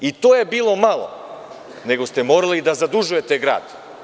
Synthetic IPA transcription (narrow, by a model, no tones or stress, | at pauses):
it̪ojɛbilˠomalˠo̰ | nɛɡost̪ɛmoɾalid̪azad̪uʒujɛt̪ɛɡɾa̰ːd̪